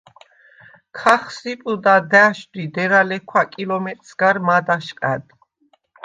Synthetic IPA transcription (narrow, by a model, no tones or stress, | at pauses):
kʰaχsipʼud̪ad̪ɛʃd̪id̪ɛɾalɛkʰwakʼilɔmɛt̪ʼsɡaɾmad̪aʃqʼɛd̪